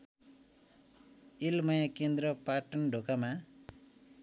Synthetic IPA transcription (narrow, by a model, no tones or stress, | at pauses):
ilmʌjakend̪ɾʌpaʈʌnɖʱokama